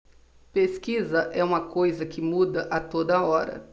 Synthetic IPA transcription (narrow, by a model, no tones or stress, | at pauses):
peskizɐʔɛũmɐkojzɐkɪmud̪ɐʔɐt̪od̪ɐɔɾɐ̰